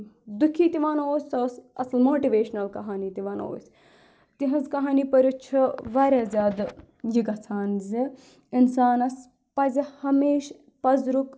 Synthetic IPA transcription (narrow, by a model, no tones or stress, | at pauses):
d̪ukʰiːt̪iʋaːnoːsʲɐsɐslmoːʈiʋeːʃnɐlkɐɦaːniːt̪iʋaːno̰ːsʲ | t̪iɦɐzkɐɦaːniːpɐɾut͡ʃʰiʋɐːɾʲazʲaːd̪ | jiɡɐt͡sʰaːnzi | insaːnɐs | pɐzihɐmeːʃ | pɐzɾuk